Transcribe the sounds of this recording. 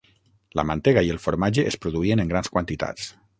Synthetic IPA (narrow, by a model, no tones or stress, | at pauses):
lə̰mant̪eɣaielˠfoɾmaʒeʔespɾuðuieneŋɡɾanskwant̪it̪a̰t͡s